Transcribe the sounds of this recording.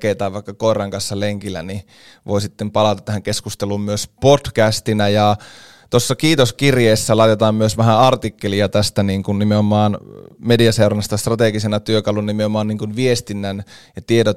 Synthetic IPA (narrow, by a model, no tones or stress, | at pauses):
keit̪ɑːʋʋɑˑikːɑkoˑerˑɑŋkɑnsːɑleŋkilːˑæ̰ni | ʋoisit̪ːempɑlɑt̪ɑt̪ːæhæŋkeskust̪eluːmmyøspotkæst̪inæjɑ | t̪osːɑkiːt̪oskirjeːsːælɑˑit̪et̪ɑːmmyøsʋæhæɑrt̪ikːeliɑt̪æst̪æniːŋkunnimeomɑːnmediɑseoɾɑnɑst̪ɑst̪rɑt̪eɡisenɑt̪yøkɑlunɑnimeomɑːnniːŋkunʋiest̪inːænjɑt̪iedo